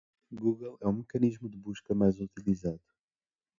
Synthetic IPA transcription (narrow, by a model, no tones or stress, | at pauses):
ɡuɣɐlˠɛũmɨkɐniʒmud̪ɨβuʃkɐmajzut̪ilˠizaðu